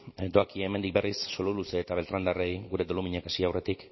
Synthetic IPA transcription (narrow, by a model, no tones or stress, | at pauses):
d̪oakieeːme̞nd̪ik̚be̞risːo̞luluse̞ːt̪aβe̞lt̪ɾand̪arejɣuɾe̞dolumiɲekasiawre̞t̪ik